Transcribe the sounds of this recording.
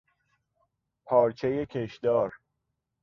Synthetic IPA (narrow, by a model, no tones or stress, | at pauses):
pʰɒːɾt͡ʃʰejecʰeʃd̪̥ɒːɾ